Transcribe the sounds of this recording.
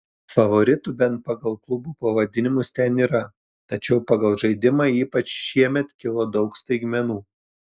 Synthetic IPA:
fɐʋoɾʲɪt̪uːbʲɛnt̪̚pɐɡɐlˠklˠʊbuːpɐʋɐd̪ʲɪnʲɪmʊst̪ʲɛniːɾɐ | t̪ɐt͡ʃʲɛʊpɐɡɐlˠʒɐɪd̪ʲɪmɑiːpɐt͡ʃʃʲiɛmʲɛt̪kʲɪlˠod̪ɒʊkst̪ɐɪɡmʲɛnuː

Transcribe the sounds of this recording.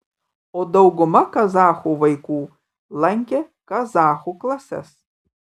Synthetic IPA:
od̪ɐwɡʊmɐkɐzaːχuvɐjkuː | lˠaŋʲkʲɛ | kɐzaːχuklˠasʲɛ̰s

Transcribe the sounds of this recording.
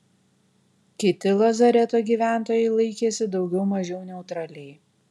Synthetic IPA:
kʲɪt̪ʲɪlˠɐzɐɾʲɛt̪oːɡʲiːʋʲæˑnt̪oːjɛɪlˠɐɪkʲeːsʲɪd̪ɒʊɡʲɛʊmɐʒʲɛʊnʲɛʊt̪ɾɑːlʲɛj

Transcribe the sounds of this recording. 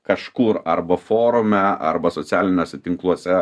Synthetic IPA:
kɐʃkuːɾɐɾbɐfoːɾʊmʲɛɐ̰rbɐsoːt̪sʲæːlʲɪnʲoːsʲɛt̪ʲɪŋklˠuɔsʲɛ

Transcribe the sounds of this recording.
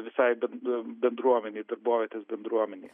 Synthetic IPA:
visajbɛbɛnd̪ɾuɔmɛnid̪əɾbɔvɛt̪ɛsbɛnd̪ɾuɔmɛni

